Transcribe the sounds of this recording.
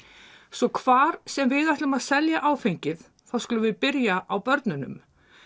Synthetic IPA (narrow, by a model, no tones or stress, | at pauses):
sɔkʰvaːɾ̥sɛmvɪðajht̪lʏmaðsɛljaʔaːwfejɲcɪð | θaðskʏlʏvɪðpɪɾjaʔawpœɾt̪nʏnʏ̰m